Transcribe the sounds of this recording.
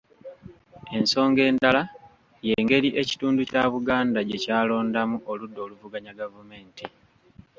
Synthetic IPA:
e̞nso̞ːŋɡe̞ːndala | je̞ːŋɡe̞liʔe̞ci̥tuːnducaːβuɡaːndaɟe̞caːlo̞ːndamuʔoludːo̞ːluvuɡaɲaɡavume̞ːnti

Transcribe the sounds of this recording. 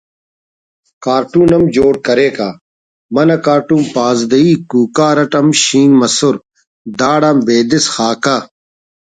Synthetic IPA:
kaːɾʈuːnɐmd͡ʑoːɽkɐɾeːkaː | mɐnɐkaːɾʈũːmpaːzd̪ɐiːkuːkaːɾɐʈɐmɕĩːnmɐsʊɾ | d̪aːɽaːmbeːd̪isxaːka

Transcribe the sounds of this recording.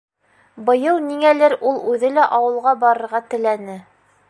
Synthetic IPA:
bɤ̆jɤlˠniŋælɘɾulˠʉðɘlæʔɑwɤ̆lˠʁɑbɑɾɤ̆ɾʁɑt̪ɘ̆lænɘ

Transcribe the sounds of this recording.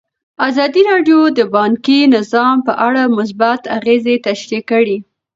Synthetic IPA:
azɑd̪iɾɑɖjod̪əbɑŋkinɪzɑmpəʔaɽamʊs̬bat̪aɣezet̪aʃɾikəɽi

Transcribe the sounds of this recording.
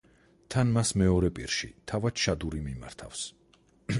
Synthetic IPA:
t̪ʰanmasmɛɔɾɛpʼḭɾʃḭt̪ʰavad̪ʃad̪uɾimima̰ɾt̪ʰa̰fs

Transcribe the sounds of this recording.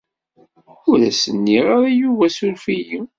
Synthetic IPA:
ʊɾæ̰sənːiɾaɾˤijuvæsʊɾfiji

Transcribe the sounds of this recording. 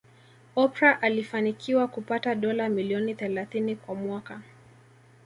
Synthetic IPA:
ɔpɾaʔalifanikʰiwakupataɗɔlamiliɔniθɛlaθinikwamwaka

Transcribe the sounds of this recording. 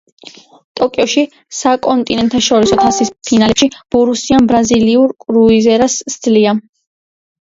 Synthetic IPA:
t̪ʼɔkʼiɔʃi | sakʼɔnt̪ʼinɛnt̪ʰaʃɔɾisɔt̪ʰasispʰinalɛpʃib̥uɾusianbɾaziliuɾkʼɾuizɛɾasd̪zlia

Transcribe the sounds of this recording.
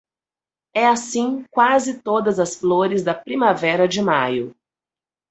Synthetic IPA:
ɛasĩkwazɪt̪od̪ɐzɐsfloɾɪzd̪ɐpɾĩmavɛɾɐd͡ʒɪmajʊ

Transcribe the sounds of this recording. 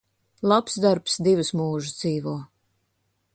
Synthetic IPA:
lˠapsd̪aɾpsd̪ivɨsmuːʒɨd̪ziːvuɔ

